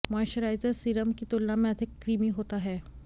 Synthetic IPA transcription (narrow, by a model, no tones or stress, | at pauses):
majʃəɾajd͡zəɾsiɾəmkit̪olːamẽəd̪ʱikːɾimiɦot̪aɦɛː